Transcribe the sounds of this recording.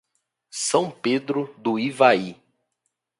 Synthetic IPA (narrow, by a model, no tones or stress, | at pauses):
sɐ̃w̃ped̪ɾʊd̪ʊivai